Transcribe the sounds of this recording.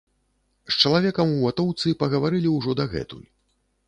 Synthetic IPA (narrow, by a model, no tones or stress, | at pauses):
st͡ʂɐlˠavʲɛkɐmuat̪ɔwt̪sɨpɐɣɐvaɾɨlʲiwʐɔd̪aɣɛ̰t̪ṵlʲ